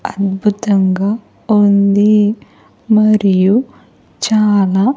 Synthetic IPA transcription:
ɐd̪bʱut̪ɐŋɡaː | und̪i | mɐɾiju | t͡ʃaːlaː

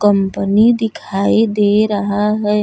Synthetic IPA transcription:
kəmpənid̪ɪkʰaid̪eɾəɦaɦɛ

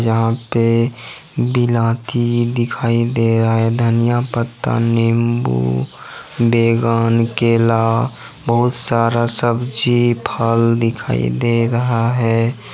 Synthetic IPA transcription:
jəɦãpe | bɪlãːt̪id̪ɪkʰaːid̪eɾəaɦɛd̪ʱənijapət̪ːa̰nɪmbṵ | beːɡaːnkeːla | bəɦʊt̪saːɾasəbd͡ʒipʰəld̪ɪkʰa̰ːḭd̪eɾəɦaɦɛː

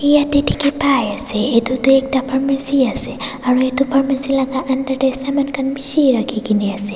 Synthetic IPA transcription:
ijatetikɛpajasɛetutuɛk̚tapʰaɹmesiasɛaɹuetupʰaɹmesilaɡaʔandaɹdajsamankʰanbisiɹakʰikiniasɛ

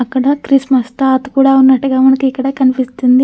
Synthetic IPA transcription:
ɐkːɐɽɐkɾismɐst̪at̪ɐ̥kuːɽaːunːɐʈːuɡaːmɐnɐkuikːɐɽɐːkɐnipist̪und̪i

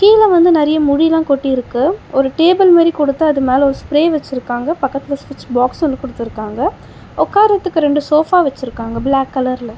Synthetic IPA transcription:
kiːlɐʋɐnd̪ɯnɛɾɐjɐmʊɽilãːkɔʈːiɪɾɯkːɯɔɾɯʈeːbɐlmeːɾikɔɽɯt̪ːɯɐðɯmeːlɐɔɾɯspɾeːʋɛt͡ʃːɪɾɯkːaːŋɡɐpɐkːɐt̪ːɪlɐsʋɪt͡ʃːbaːksɔnːɐkɔɽɯt̪ːɯɪɾɯkːaːŋɡɐ | ɔkːaːɾɐt̪ːɯkːɯɾɛɳɖɯsoːfaːʋɛt͡ʃːɪɾɯkːaːŋɡɐblaːkːɐlɐɾɪlɐ

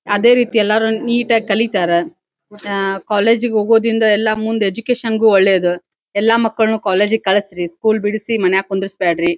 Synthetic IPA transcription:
ɐd̪e̞ːɾiːt̪iɛlːaːɾuniːʈɐkɐlit̪aːɾe | kaːleːd͡ʒɡeɦoːɡo̞ːd̪ɾind̪ɐɛlːɐmund̪ue̞d͡ʒukeːʃɐnɡuːoɭːe̞ːd̪u | ɛlːamɐkːɐɭnukaːle̞ːd͡ʒɡekɐɭɐsɾiskuːlbiɽisimɐnɛjaːkund̪ɾisbaːɖɾi

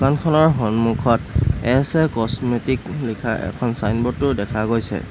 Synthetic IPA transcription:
ukankʰɔnɔɹɦɔnmukʰɔtɛsɛkɔsmetiklikʰaɛ̰kʰɔnsajnbɔtːʊɹdɛkʰaɡojsɛ̰

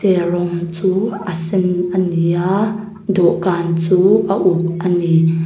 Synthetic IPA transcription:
ɛrɔŋt͡suːəsɪnʔənia | d̪ɔʔkaːnt͡suːʔəʔuk̚ʔəni

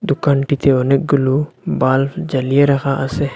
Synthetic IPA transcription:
d̪ukaːnʈit̪ʰeonek̚ɡʊlubaːld͡ʒɐlijeɾɐxaʔɐse

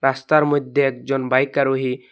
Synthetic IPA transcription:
ɾast̪aɾmud̪ʱjeek̚d͡ʒɔnbajkaɾuɦi

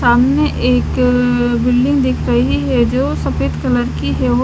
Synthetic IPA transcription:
aːmneʔeːkbɪlɖɪ̃ŋɡd̪ɪkʰɾɐɦiɦɛd͡ʒoːsɐpeːt̪kɐləɾkiɦɛo

